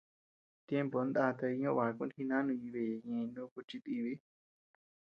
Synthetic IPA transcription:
t̪je˦mpo˨˦nd̪a˧t̪e˧i˧ɲõ˦˧βa˨˦˧kũ˦ni˧nã˦nũ˧ɲi˧βe˧˨je˨ɲẽ˧nũ˦ku˧t͡ʃi˧t̪i˧βi˦

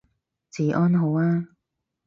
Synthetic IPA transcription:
t͡siː˨˩ʔɔː˥nɦo˨˧˥waː˧˥

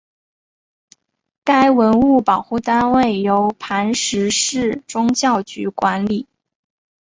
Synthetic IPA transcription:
ka˥ɪwə˧˥nu˥˩pɑ˨˩ʊxu˥˩t̪a˥nwe˥˩ɪjo˧˥ʊpʰa˧˥nʂɻ̩˧˥ʂɻ̩˥˩ʈ͡ʂʊ˥ŋt͡ɕjɑ˥˩ʊt͡ɕy˧˥kwa˧˥nli˨˩˦

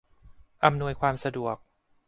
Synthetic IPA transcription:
ʔa˧mnu˧əjkʰwaː˧msa˧du˨˩ək̚

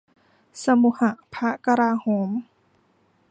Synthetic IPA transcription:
sa˧mu˧˩ha˧˩ʔpʰa˦˥ka˧ɾaː˧hoː˨˩˦m

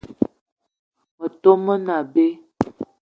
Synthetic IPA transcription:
mə˨to˦mə˦na˨be˦

